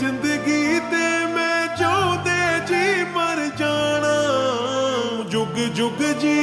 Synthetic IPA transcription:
ɪ̃nd̪əɡit̪eːmɛ̃ːt͡ʃõd̪eːd͡ʒiːpəɾd͡ʒaːɽ̃aː | d͡ʒʊɡd͡ʒʊɡd͡ʒiː

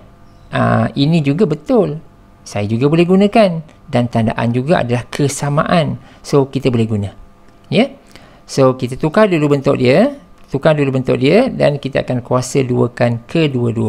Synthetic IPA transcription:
ə̰inĩd͡ʒuɡabət̪ʊl | sajad͡ʒuɡabolɛhɦɡunãkan | dant̪anda̰ʔa̰nd͡ʒuɡaa̰dalahkʰəsamã̰ʔansokit̪əbolɛhɡunã | jə | sokit̪at̪ukadulubənt̪ʊʔ̚diət̪ukadulubənt̪ʊ̰ʔ̚diəda̰nkit̪əa̰kankuasəduəkankʰəduəduə

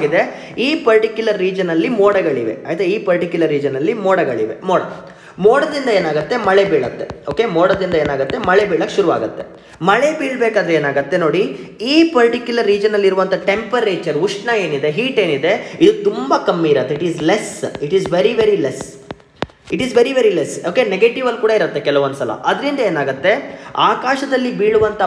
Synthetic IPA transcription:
ɡid̪e̞ | iːpɐɾʈikjulɐɾːiːd͡ʒɐnɐlːimoːɽɐɡɐɭiʋḛaːit̪ɾeiːpɐɾʈikjulɐɾːiːd͡ʒɐnːɐlːimoːɽɐɡɐɭiʋe̞̰moːɽɐ̰ | moːɽɐd̪ind̪ɐeːnaːɡɐt̪ːe̞mɐɭebiːɭɐt̪ːe̞̰oːke̞moːɽɐd̪ind̪ɐeːnaːɡɐt̪ːe̞mɐɭebiːɭɐkːʃuɾuʋa̰ːɡɐt̪ːe̞̰ | mɐɭebiːɭbeːkaːd̪ɾe̞ːnaːɡɐt̪ːe̞no̞ːɽiiːpɐɾʈikjulɐɾːiːd͡ʒɐnɐlːiɾuʋɐnt̪ʰɐʈe̞mpɐɾeːt͡ʃɐɾuʂʈnɐeːnid̪e̞ɦiːʈeːnid̪e̞id̪ut̪umbɐkɐmːiːɾɐt̪ːeiʈiːzlesiʈiːzʋeɾiʋeɾiles | iʈiːzʋeɾiʋeɾilesoːkeneɡeːʈiʋɐlːkuːɽɐiɾɐt̪ːekɛlɐʋond̪sɐlɐ̰ʔɐd̪ɐɾind̪ɐeːnaːɡɐt̪ːe̞aːkaːʃɐd̪ɐlːibiːɭuʋɐnt̪ʰɐ

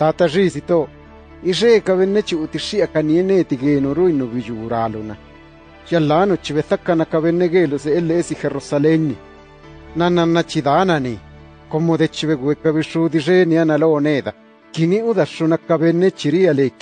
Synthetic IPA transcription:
t̪aːt̪aʐiːsit̪oː | iʂekaβenːet͡ʃiut̪iʂːiʔakanieneːt̪iɣeːnuɾuinuβijuːɾaːluna | jalːaːnut͡ʃiβeθakːanakaβenːeɣeːluseʔelːeʔesixeɾusaleŋni | nananːat͡ʃiðaːnani | komːoðet͡ʃiβeɣuekaβiʂuðiʂeːnianaloːneːða | kiniuðaʂːunakaβenːet͡ʃiɾialek

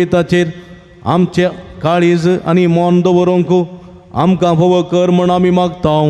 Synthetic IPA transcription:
it̪at͡ɕeɾ | a̰mt͡ɕakaɭid͡za̰nimɔnd̪əʋəɾõŋku | a̰mkãpəʋəkəɾməɳamimaɡt̪a

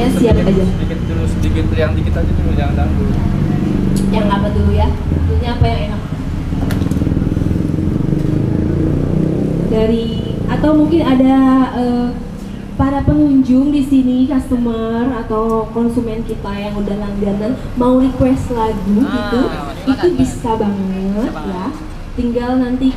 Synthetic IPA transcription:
jasiapsad͡ʒaiɪt̪̚dulusədikɪt̪jaŋdikit̪aɡit̪ulud͡ʒadaŋ | jaŋapat̪uluja | t̪uɲaːpajaŋenak̚ | daɾiat̪awmuŋkɪnadaə | paɾapəŋuɲd͡ʒʊŋdisinikast̪əmərat̪awkɔnsumɛnkit̪ajaŋundalaŋd͡ʒanan | mauɾikwɛst̪laɡuɡit̪u | it̪ubisabaŋŋət̪̚jah | t̪iŋɡalnant̪i

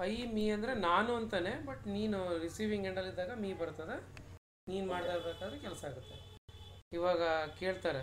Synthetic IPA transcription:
ɐjmiːɐnd̪ɐɾenaːnuɐnt̪ɐne̞bɐʈniːnuɾisiːʋiŋɡeɳɖɐlːid̪ːaːɡɐmiːbɐɾt̪ɐd̪e | niːnumaːɽt̪aːɾbeːkaːd̪ɐɾekɛlsaaːɡut̪ːe | iʋaːɡɐkeːɭt̪aːɾe

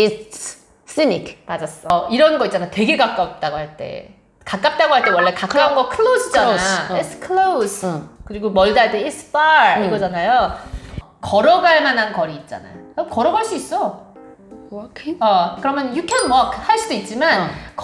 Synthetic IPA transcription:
i | s͈inikmad͡ʑas͈ʌiɾʌnɡʌit̚t͡ɕ͈anaotwe̞ɡe̞kak͈ap̚t͈aɡohaɭt͈e̞̰ | kak͈ap̚t͈aɡohaɭt͈e̞wʌɭːe̞kak͈aunɡʌkʰɯɭosʰit͡ɕ͈aaiskʰɯɭosʰkɯɾiɡomʌɭdaɭdeisʰɯ̥p͈aɾiɡʌd͡ʑanajo | kʌɾʌɡaɭmanankʌɾiːt̚t͡ɕ͈a̰na̰jokʌɾʌɡaɭs͈uis͈ʌ | kʰʌkɯɾʌmjʌnjukʰanwʌkʰhaɭs͈udoit̚t͡ɕ͈imank

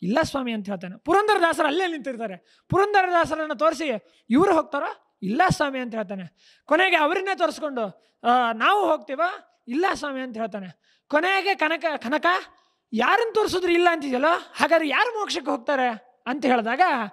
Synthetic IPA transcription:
ilːasʋaːmiɐnt̪ɐɦeɭt̪̬aːnepuɾɐnd̪ɐɾɐd̪aːsɐɾɐɐlːenint̪iɾt̪aːɾe | puɾɐnd̪ɐɾɐd̪ʱaːs̬ɐɾɐnːɐt̪oːɾs̬i | iʋɐɾuɦoːɡ̚t̪aːɾoː | ilːasʋaːmiɐnt̪ɐɦeːɭt̪aːne | koneɡeɐʋɐɾinːeːt̪oːɾskoɳɖu | naːʋuɦoːɡ̚t̪iːʋo | ilːasʋaːmiɐnt̪ɐɦeɭt̪aːne | kɔneɡe̞kɐnɐkɐkɐnɐkɐ | jaːɾinut̪oːɾsod̪ɾuilːɐːnt̪id̪jɐlːoːhaːɡaːd̪ɾejaːɾumoːkʂɐk̬ːeɦoːɡ̚t̪aːɾe̞ | ɐnt̪ɐɦe̞ːɭd̪aːɡɐ

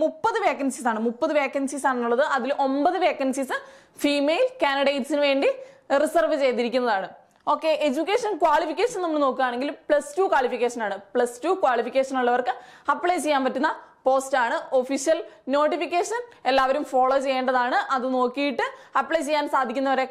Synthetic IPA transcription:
mupːɐðɨʋe̞ːkːɐnsisaːɳɨmupːɐðɨʋe̞ːkːɐnsisaːɳenːuɭːɐðɨʔɐðilʔo̞mbɐðɨʋe̞ːkːɐnsisɨ | fiːmeːlkaːniɽejʈsinɨʋe̞ːɳɖirisɐrʋɨt͡ɕe̞jt̪iɾikʲːunːɐðaːɳɨ | o̞ːkːe̞ʔed͡ʑukʲːeːʂɐnkwaːɭifikʲːeːʂɐnɐmːɐɭɨno̞ːkːɨaːɳe̞ŋɡilpɭɐstuːkwaːɭifikʲːeːʂɐnaːɳɨpɭɐstuːkwaːɭifikʲːeːʂɐnuɭːɐʋɐrkɨɐpːɭet͡ɕe̞jːaːnpɐtːunːɐpo̞ːstaːɳɨo̞fiʂijɐlno̞ːʈːifikʲːeːʂɐnelːaːʋɐɾumfo̞ːɭoːt͡ɕe̞jːeːɳɖɐðaːɳɨʔɐðɨno̞ːkːijiʈːɨɐpːɭet͡ɕe̞jːaːnsaːd̪ʱikʲːunːɐʋɐɾe̞

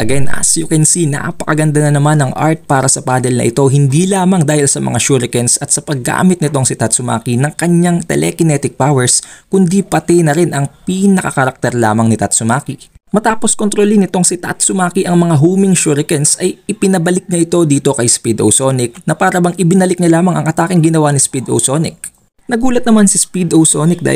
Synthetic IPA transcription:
ʔɐɡɛnʔɐ̰sjʊkɛnsina̰pɐkɐɡɐnd̪ɐnɐnɐmanɐŋʔa̰ɹt̪̚paːɾɐsɐpaːd̪ɛlnɐ̰ʔɪt̪o̞ɦɪnd̪ilaːmɐŋd̪aːhɪlsɐmɐ̰ŋaʃuɾɪkɛnsɐt̪sɐpɐɡːa̰ːmɪt̪nɪt̪o̞ŋsɪt̪at̪̚sʊma̰ːkinɐŋkɐɲaŋt̪ɛ̰lʔɛ̰kɪnɛt̪ɪk̚pawɛɹskʊnd̪ipɐt̪ɛjnɐɾɪnʔɐŋpinɐkɐ̰kɐɾɐk̚t̪ɛɾla̰ːmɐŋnɪt̪at̪sʊmaːkimɐt̪aːpo̞skont̪ɾolinɪt̪o̞ŋsɪt̪at̪sʊmaːkiʔɐŋmɐŋaɦuːmɪŋʃuɾɪkɛnsɐjɪpɪnɐbɐlɪk̚ɲɐʔɪt̪o̞d̪iːt̪o̞kɐjspid̪ʔo̰wso̞ːnɪk̚nɐpaːɾɐbɐŋʔɪbɪnɐlɪk̚ɲɐlaːmɐŋɐŋʔɐt̪aːkɪŋɡɪnɐwanɪspid̪ʔo̰wso̞nɪk̚ | nɐɡuːlɐt̪̚nɐmansispid̪owsoːnɪk̚d̪a̰

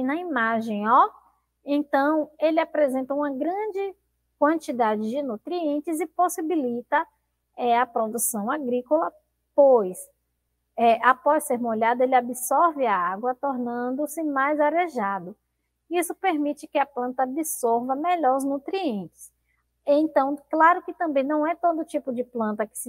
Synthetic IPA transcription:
nɐimaʒẽj̃ɔ | ẽnt̪ɐ̃w̃elɪapɾezẽnt̪ɐũmɐɡɾɐ̃d͡ʒɪ | kwɐ̃nt͡ʃid̪ad͡ʒɪd͡ʒɪnut̪ɾiẽnt͡ʃɪzɪposibilit̪ɐ | ɛɐpɾod̪usɐ̃w̃aɡɾikolɐ | pojs | ɛʔapɔsseɾmoʎad̪ɐelɪabisɔɾvɪaaɡwɐt̪oɾnɐ̃nd̪ʊsɪmajzaɾeʒad̪ʊ | isʊpeɾmit͡ʃɪkɪɐplɐ̃nt̪ɐabisɔɾvɐmeʎɔɾʊznut̪ɾiẽnt͡ʃɪ̥s | ẽt̪ɐ̃w̃klaɾʊkɪt̪ɐ̃mbẽj̃nɐ̃w̃ɛt̪od̪ʊt͡ʃipʊd͡ʒɪplɐ̃nt̪ɐkɪ̥sɪ

